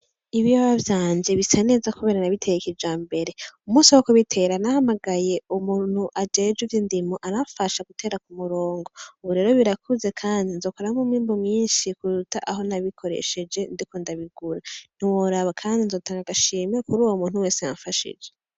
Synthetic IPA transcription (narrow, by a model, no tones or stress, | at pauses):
iβijaβavjaːɲd͡ʒe̞βisane̞ːzakuβeːɾanaβitʰe̞jekid͡ʒaːmbe̞ɾe̞umuːsiwokuβitʰe̞ɾanahamaɡaje̞umuːn̥huʔad͡ʒe̞d͡ʒuvjindimoʔaɾafaʃaɡutʰeɾak̚umuɾo̞ːŋɡo̞uβuɾe̞ːɾo̞βiɾakʰuze̞kʰaːndinzo̞ːkoɾamumiːmbomɲiːʃikuɾutaʔaɦo̞naβikʰo̞ɾe̞̰ʃe̞d͡ʒe̞ndiko̞ndaβiɡuɾan̥iwoɾaβakʰaːndinzo̞ːtaːŋɡaɡaʃiːmekuɾuːwomuːn̥huwe̞ːseja̰ɱfaʃḭd͡ʒe